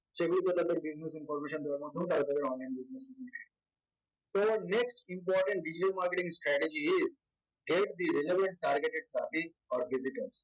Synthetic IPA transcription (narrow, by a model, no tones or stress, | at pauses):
t͡ʃekɽikət̪ad̪eɾbɪznesɪ̃nfɔːɾmeːʃə̃nd̪oɾmãt̪ʰũt̪aɡət̪ad̪eɾɔ̃ːnlãɪ̃nbɪznesɪ̃nsmːʈe | soneksʈɪ̃mpɔːɾʈə̃ɳʈ̚ɖɪd͡ʒɪʈəlmaːɾkeʈɪ̃ŋsʈɾæːʈed͡ʒiɪz | ɡeʈ̚d̪iɾeleʋə̃ɳʈ̚ʈaːɾɡeʈeɖ̚plabit | ɔːɾbɪzɪʈəɾs